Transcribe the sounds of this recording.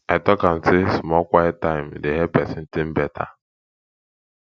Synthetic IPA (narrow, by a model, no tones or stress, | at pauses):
etɔkan̩sesmɔkʷaetaɪm̩deɦepɛsɪn̩tɪm̩betʰa̰